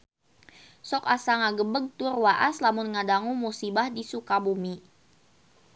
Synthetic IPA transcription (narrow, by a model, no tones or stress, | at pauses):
sɔkasaŋaɡəbəɡ̚t̪ʊrwaʔaslamʊnŋadaŋumusibahdisukabumi